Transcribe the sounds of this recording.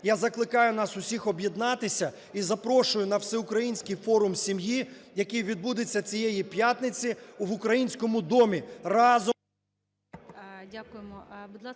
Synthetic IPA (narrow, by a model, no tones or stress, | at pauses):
jazɐklˠɪkɑjʊn̪ɑsʊsʲixɔbjed̪nɑt̪ɪsʲɐ | izɐpɾɔʃʊjʊnɐwsɛʊkɾɐjinʲsʲkɪjfɔɾʊmsʲimjijɐkɪjʋʲid̪̚bud̪ɪt͡sʲːɐt͡sʲijɛjipjat̪nɪt͡sʲiʋʊkɾɐjinʲsʲkɔmʊd̪ɔmʲirɑz | dʲakʊjemɔbʊd̪lˠ